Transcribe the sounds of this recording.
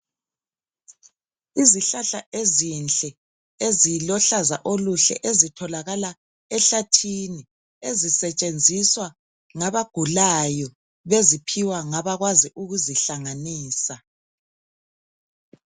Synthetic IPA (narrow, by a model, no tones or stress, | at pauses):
iziɬaɬaʔezint͡ɬʼɛ | ezilɔɬaza̰ʔoluɬɛ̰ʔezitʰɔlaɣala | ɛɬatʰini | ezisɛt͡ʃʼend͡zʱiswa | ŋaβaɡ̥ʱulajɔ | βezipʰiwaŋaβaɣwaziʔuɣuziɬaŋaniːsa